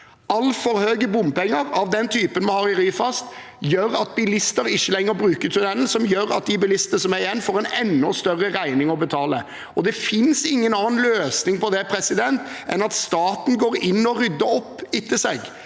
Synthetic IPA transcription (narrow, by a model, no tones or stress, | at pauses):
ɑlːfɔɾhøːɡəbʊmpɛŋːəɾɑʋd̪ɛnt̪ʰyːpənmɑhɑːɾɪɾyːfɑst̪ | jøːɾɑt̪̚bɪlɪst̪əɾɪçːəlɛŋːəɾbɾʉːkət̪ʰʉnɛln̩sɔmjøːɾɑ̰t̪̚d̪ɪbɪlɪst̪ənəsɔmæɾɪjɛnːfoːɾɛnɛ̰nːʊst̪œʁːəɾæɪnɪŋɔbət̪ʰɑːlə | ɔd̪ɛfɪnsɪŋːənɑːnløːsnɪŋpɔd̪ɛpʰɾɛsɪd̪ɛnt̪ʔɛnɑt̪st̪ɑːt̪n̩ɡoːɾɪnːɔɾʏd̪ːəɾɔpːɪt̪ːəsɛɡ